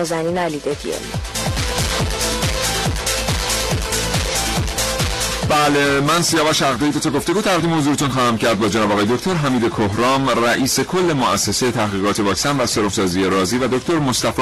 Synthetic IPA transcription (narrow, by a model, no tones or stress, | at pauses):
zæninælid̪ed̪iḛlḭ | bælemænsijɒːvæʃæɣd̪eid̪ot̪ʰɒɡo̞ft̪e̞ɡuːt̪ʰæʁd̪iːmehozuːɾet̪ʰunχɒːhæmcʰæɾd̪̚bɒːd͡ʒenɒːbɒːɣɒjeocʰʲt̪ʰo̞ɾɦæmiːd̪ekʰoɦɾɒːmræʔiːse̞kʰo̞lːe̞moʔæsːe̞sejt̪ʰæhɣiːɣɒːt̪ʰevɒːcsænvæseɾofsɒːzijeɾɒːziːvæd̪ocʰt̪ʰo̞ɾmost̪æf